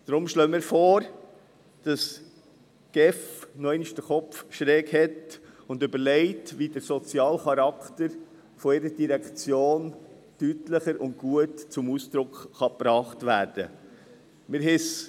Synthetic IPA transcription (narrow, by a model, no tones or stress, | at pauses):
d̥ɾʊmʃlœːmɪːɾfoːɾ | d̥ɑs | ɡ̥ɛfnɔɪnʃd̥əχɔpfʃɾɛːkhɛtʊndʏbəɾlɛɪtʋidəɾsɔt͡sjɑːlχɑɾɑktəɾ | fɔɪɾədiɾɛkt͡sjoːn | tytləχəɾʊnt̚ɡ̥uətt͡sʊmuːsd̥̪ɾʊkχɑpɾɑːχtʋæːɾd̥ə | mɪɾɦɪs